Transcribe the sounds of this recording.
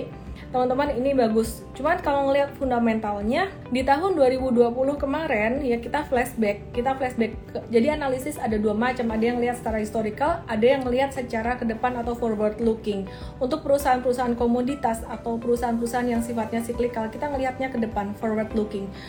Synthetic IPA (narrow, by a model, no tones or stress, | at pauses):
t̪əmant̪əmaninibaɡʊs | t͡ʃumankalawŋəliɦat̪̚fundamɛnt̪alɲa | dit̪aɦʊnduaɾibuduapulʊhkəmaɾɛnjakit̪aflɛsbɛkːit̪aflɛsbɛkd͡ʒadianalisɪsadaduamat͡ʃamadajaŋəliɦat̪sə̥taɾahist̪oɾikalʔadajaŋməliɦat̪̚sət͡ʃaɾakədəpanat̪awfɔrwərt̪lukɪŋ | unt̪ʊk̚pəɾusaanpəɾusaɦankomodit̪asat̪awpəɾusaanpəɾusaɦanjaŋsifat̪̚ɲasiklikalkit̪aŋəliɦat̪̚ɲakədəpanfɔrwərt̪lukɪŋ